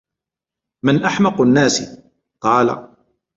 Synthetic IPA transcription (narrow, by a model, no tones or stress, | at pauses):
mɪnʔaħmɑqnːaːsi | qɑːla̰